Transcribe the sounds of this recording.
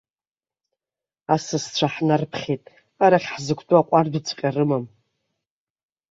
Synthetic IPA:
asɨst͡ɕʷʰaħnarpʰχʲetʼ | aɾaχʲħzɨkʷʰtʼuaqʷʼardut͡sʰqʲʼarɨmam

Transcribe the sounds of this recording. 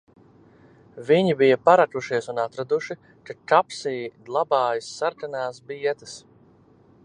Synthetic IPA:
viɲibijapaɾakuʃiɛsunat̪ɾad̪uʃi | kakapsiːd̪lˠabaːjisːaɾkanaːsbiɛt̪ɨs

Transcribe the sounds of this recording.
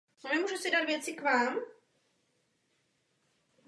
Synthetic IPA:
onɛmuːʒusɪdat̪vjɛt͡sɪkvaːm

